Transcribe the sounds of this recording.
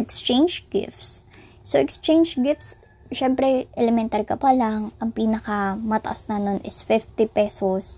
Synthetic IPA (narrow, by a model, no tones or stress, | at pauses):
ʔɛkst͡ʃẽjnd͡ʒɡɪ̰ft̪sː | oʔɛkst͡ʃejnd͡ʒɡɪft̪s | ʃɛmpɾɛʔɛlɛmɛnt̪ɐɾkɐpɐlaŋʔɐŋpiːnɐkɐmɐt̪ɐ̰ʔasnɐnonʔɪsfɪft̪ɪpɛsos